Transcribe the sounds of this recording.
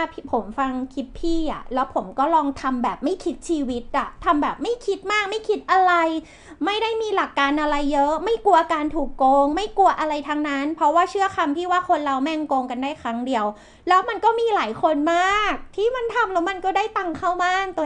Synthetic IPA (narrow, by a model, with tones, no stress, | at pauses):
pʰpʰo˩˦mfa˧ŋkʰi˦˥t̪̚pʰiː˥˩ʔa̰˨˩lɛː˦˥wpʰo˩˦mkɔː˥˩ɾɔː˧ŋt̪ʰa˧mbɛː˨˩p̚ma˥˩jkʰi˦˥t̪̚t͡ɕʰiː˧wi˦˥t̪̚ʔa˨˩t̪ʰa˧mbɛː˨˩p̚ma˥˩jkʰi˦˥t̪̚maː˥˩k̚ma˥˩jkʰi˦˥t̪̚ʔa˧ɾa˧j | ma˥˩jda˥˩jmiː˧la˨˩kːaː˧nʔa˧ɾa˧jːɤ˦˥ʔma˥˩jku˧ɐʔa˧kaː˧nt̪ʰuː˨˩kːoː˧ŋma˥˩jku˧ɐʔa˧ɾa˧jt̪ʰa˦˥ŋna˦˥npʰɾɔ˦˥waː˥˩t͡ɕʰɯ˥˩ɐkʰa˧mt̪ʰiː˥˩waː˥˩kʰo˧nɾa˧wmɛ˥˩ŋkoː˧ŋka˧ndaː˥˩jkʰɾa˦˥ŋdi˧əw | lɛː˦˥wma˧nkɔː˥˩miː˧laː˩˦jkʰo˧nmaː˥˩k̚t̪ʰiː˥˩ma˧nt̪ʰa˧mlɛː˦˥wma˧nkɔː˥˩daː˥˩jt̪a˧ŋkʰa˥˩wma˥˩ŋt̪